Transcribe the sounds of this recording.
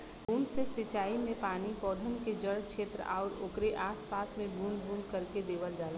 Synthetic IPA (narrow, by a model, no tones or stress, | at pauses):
bʱuːnsesɪt͡ʃaːimẽpaːnipɔːd̪ʱənked͡ʒəɽkʃeːt̪ɾə̰ʔa̰ɔɾoːkɾeʔaːspaːsmẽbʱunbʱuːnkəɾked̪eːʋəld͡ʒaːl